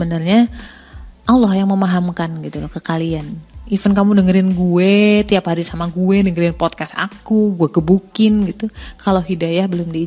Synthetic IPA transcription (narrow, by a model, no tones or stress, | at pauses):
əbənərɲa | ʔalːɔhjaŋməmaɦamkanɡit̪ulɔkəkalianʔifənkamunəŋəɾɪnɡuɛt̪iaphaɾisamaɡuɛnəŋəɾɪnpɔt̪̚kasa̰kuɡuɛɡəbukɪnɡit̪ukaloɦidajahbəlʊmdi